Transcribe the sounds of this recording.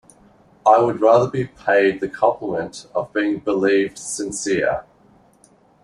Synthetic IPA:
ʔaɪwəd̚ɹɑðəbipʰeɪd̪̚ðɨkʰɒ̃mpʰləmə̃ntəvbiːɪ̃ŋbəlivd̥sɨ̃nsɪə

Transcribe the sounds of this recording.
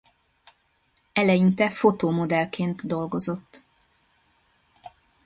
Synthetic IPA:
ɛlɛjint̪ɛfo̞t̪oːmo̞d̪ɛlkʰeːnt̪d̪o̞lɡo̞zo̞t̪ː

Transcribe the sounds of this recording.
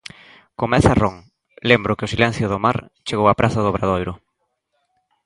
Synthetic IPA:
komɛθaroŋ | lembɾʊkeʊsilɛn̟θjʊðʊmaɾt͡ʃeɣowapɾʔaθaðoβɾaðojɾʊ

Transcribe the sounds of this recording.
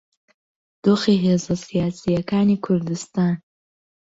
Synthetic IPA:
d̪̥oːxiɦeːzasijaːsijɐkaːnikʰʊɾd̪ɨst̪aːn

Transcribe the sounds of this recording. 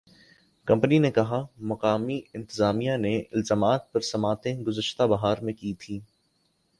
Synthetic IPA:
kɐ̃mpəninekɐɦamɐqaːmiɪ̃nt̪ɪzaːmijaneɪlzaːmaːt̪̚pɐɾsɐmaːt̪ẽɡʊzəʃt̪abɐɦaːɾmẽkiːt̪ʰiː

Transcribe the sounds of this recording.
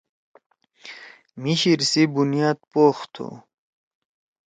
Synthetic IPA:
miɕiɾsibunijaːd̪̚poːxt̪ʰṵ

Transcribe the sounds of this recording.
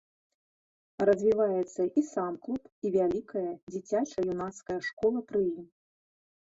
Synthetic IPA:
rɐzʲvʲivajɛt̪sːɐʔisamklˠupivʲalʲikɐjɐd͡zʲit͡sʲat͡ʂɐjunaskɐjɐʂkɔlˠɐpɾɨjim

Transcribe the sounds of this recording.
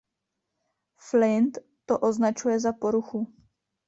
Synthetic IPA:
flɪnt̪ːoʔoznat͡ʃujɛzapoɾuxu

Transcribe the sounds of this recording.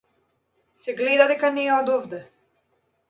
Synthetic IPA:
sɛɡlɛd̪ad̪ɛkanɛɛɔd̪ɔvd̪ɛ

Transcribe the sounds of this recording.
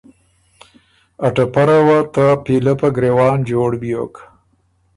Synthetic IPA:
ɐʈapaɾawat̪apilapaɡɾewɑːnd͡ʒoːɽbjok

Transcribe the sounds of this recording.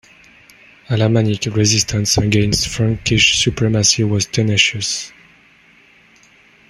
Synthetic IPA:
alamanikɹɛzistʰə̃nsəɡɛ̃nstfɹãŋkiʃsupɹɛmasiwɔztʰɛnɛʃəs

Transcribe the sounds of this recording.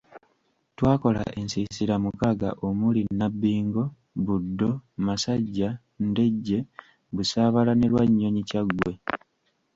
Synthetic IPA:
twaːko̞la̰ʔe̞nsisiɾamukaɡa̰ʔomulinːabːiːŋɡo̞ | βudːo̞masaɟːa | nde̞ɟːe̞ | βusaːβalane̞lwaɲːo̞ɲicaɡwe̞

